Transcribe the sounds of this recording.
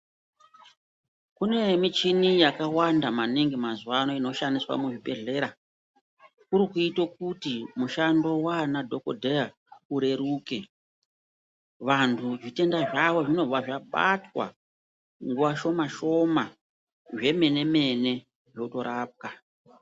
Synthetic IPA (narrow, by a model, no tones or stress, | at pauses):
kune̞mit͡ʃinijakawandamaniŋɡimazuwano̞ino̞ʃandiswa̰muʐibe̞ɮe̞ɾa | kuɾikuitok̚utimuʃando̞wanadʱo̞ko̞dʱe̞ja | uɾe̞ɾuke̞ | ʋantʰuʐite̞ndaʐaʋo̞ʐino̞aʐaɓa̰twa̰ | ŋɡuʋaʃo̞maʃo̞ma | ʐe̞me̞ne̞me̞ne̞ | ʐo̞to̞ɾaːp̚ka